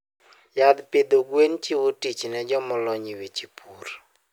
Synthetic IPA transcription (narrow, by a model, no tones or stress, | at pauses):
jad̪ped̪oɡwent͡ʃiwotit͡ʃnɛd͡ʒɔmɔlɔɲiwet͡ʃipʰuɾ